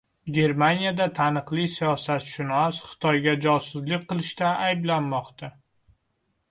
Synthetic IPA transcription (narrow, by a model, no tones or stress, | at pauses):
ɡʲe̞ɾmanjad̪at̪ʰanɨqlˠisijɒsat̪ʃʊnɒsχɨ̥t̪ʰɒjɡʲad͡ʒɒsɪzlɪk̚ʲqːɨlˠɪʃt̪aajblanmɒqt̪ʰa